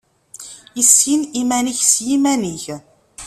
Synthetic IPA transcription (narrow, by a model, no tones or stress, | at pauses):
isinimæniçsjimæniç